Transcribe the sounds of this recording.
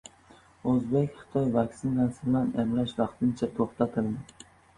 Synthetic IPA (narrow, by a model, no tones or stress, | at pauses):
ɵzbekʲχɨ̥t̪ʰɒjvaksɪnlansɪblanemlaʃvɑqt̪ʰɪnt͡ʃʰat̪ʰoχt̪ʰat̪ʰɪld̪ɪ